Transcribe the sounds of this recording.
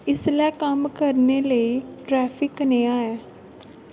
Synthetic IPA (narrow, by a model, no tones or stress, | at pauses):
ɪslɛkəmkəɾneləiʈɾɛːfʰɪknẽaːjaː